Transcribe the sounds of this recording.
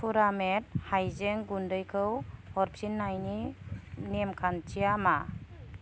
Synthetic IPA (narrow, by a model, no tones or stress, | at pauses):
pʰuɾamet̚hajzeŋɡundɯjkʰɯwhɔɾpsinːajninemkʰant͡ʃijama